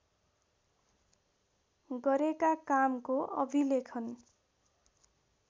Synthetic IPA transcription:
ɡʌɾekakamkoʔʌbʱilekʰʌn

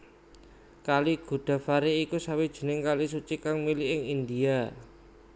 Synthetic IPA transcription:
kaliɡ̥ṳɖ̪̥a̤faɾeikusawid̥ʒ̥ə̤nɪŋkalisut͡ʃikaŋmiliʔɪŋind̪ia

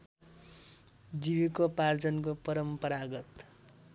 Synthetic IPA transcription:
d͡zibikopard͡zʌnkopʌɾʌmpʌɾaɡʌt̪

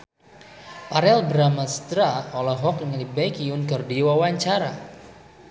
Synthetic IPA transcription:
paɾɛlbɾamast̪ɾaɔlaɦɔk̚dəŋadibaikiʊnkərdiwawaɲt͡ʃaɾa

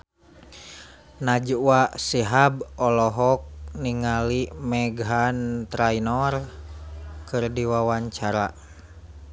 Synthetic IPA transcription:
nad͡ʒwaʔsiɦabɔlɔɦɔk̚niŋalimɛɡɦant̪ɾainɔr | kɨrdiwawaɲt͡ʃaɾa

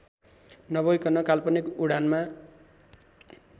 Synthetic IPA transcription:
nʌbʌjkʌnʌkalpʌnikuɽanma

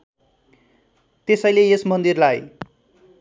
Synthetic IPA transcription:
t̪esʌjleesmʌnd̪irlaj

